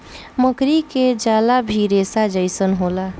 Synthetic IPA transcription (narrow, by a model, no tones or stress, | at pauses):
məkɾiked͡ʒalabʱiɾesad͡ʒəjsənɦola